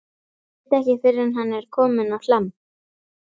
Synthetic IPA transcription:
t̪ɛhcɪfɪɾɪɾanɦanːɛɾ̥kʰɔːmɪnawlam

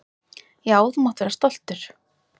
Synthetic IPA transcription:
jawðmɔwht̪vɛːɾast̪ɔl̥t̪ʏɾ̥

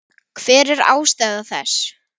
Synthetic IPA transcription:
kʰv̥ɛːɾɛɾa̰ːwst̪aːjðaθɛ̰s

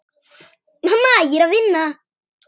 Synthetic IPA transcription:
nɐmaːjiɾɐðinːa

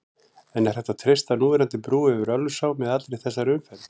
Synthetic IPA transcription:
ɛnɛɾ̥θɛht̪ːat̪ʰɾest̪anuːðɪɾant̪ɪpɾuːʏvʏɾœlːʏsaːwmɛðat̪ɾejθɛsːaɾʏmfɛl

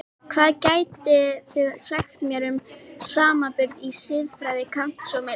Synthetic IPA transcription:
kʰvaːðcaːjt̪ɪθɪːðsaxt̪mjɛɾʏmsaːmapʏɾðisɪðfɾajðɪkʰan̥t̪sɔmɛ

